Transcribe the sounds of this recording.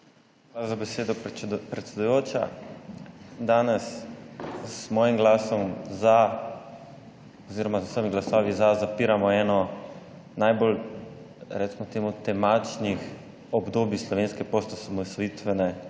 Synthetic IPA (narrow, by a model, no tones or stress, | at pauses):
xʋalazabɛseːd̪ɔpɾɛt̪sʲɛd̪ujoːt͡ʃa̰ | d̪aːnɛs | zmɔːjimɡlaːsɔmza | ɔziɾɔmazasɔjmiɡlasɔːʋizazapiːɾamɔɛːnɔ | najbol | ɾɛt̪smɔt̪eːmut̪ɛmat͡ʃnix | ɔbd̪oːbislɔʋeːnskɛpost̪ɔsamɔsɔit̪ʋɛnɛ